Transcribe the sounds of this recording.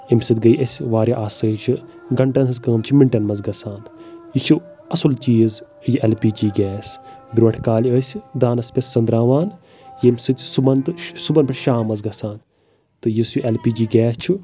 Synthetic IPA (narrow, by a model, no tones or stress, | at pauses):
imsɨt̪ʲɡɐiʔɐsʲʋaːɾʲjaʔaːsəːt͡ʃʰi | ɡɐɳʈɐnɐskɐːmt͡ʃʰimiɳʈɐnmɐzɡɐsaːnit͡ʃʰu | ɐsult͡ʃiːz | jiʔelpiːd͡ʒiːɡɛːsbʲɾʋɐɳʈʰkaːliəːsʲd̪aːnɐspesʲsɐnd̪ɾaːʋaːn | jimsɨt̪ʲsubɐnt̪ɨsubɐnpɐʈʃaːmːɐzɡɐsaːn | t̪ɨjisiʔelpiːd͡ʒiːɡɛːst͡ʃʰu